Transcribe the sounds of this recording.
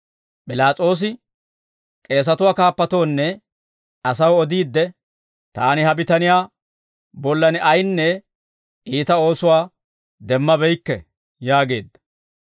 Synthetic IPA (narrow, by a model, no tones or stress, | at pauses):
pʼɪlaːt͡sʼo̞ːs̬ɪ | kʼe̞ːs̬ɐt̪ʊwaːkaːpːɐt̪o̞ːnːɛ | ɐsɐwɔd̪iːd̪ːɛ | t̪aːnɪhɐbɪt̪ɐnɪjaː | bɔlːɐnɛʔɐjnːɛ | ʔiːt̪ɐo̞ːsʊwaː | d̪ɛmːɐbɛjkːɛ̰ | jaːɡe̞ːd̪ːɐ